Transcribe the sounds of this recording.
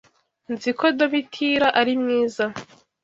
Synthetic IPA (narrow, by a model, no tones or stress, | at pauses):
nzikodoβitʰiɾaʔaɾimŋiːza